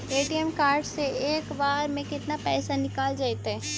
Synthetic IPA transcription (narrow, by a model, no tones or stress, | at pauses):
eːʈijəmkaːɾɖseeːkbaːɾmẽkɪt̪napɛːsanɪkaːld͡ʒaːet̪ɦɛː